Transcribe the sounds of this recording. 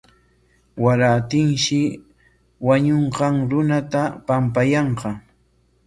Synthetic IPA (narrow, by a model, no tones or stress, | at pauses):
waɾat̪ɪŋʃɪ | waɲoɴqɑŋɾʊnat̪apampajɑɴqɑ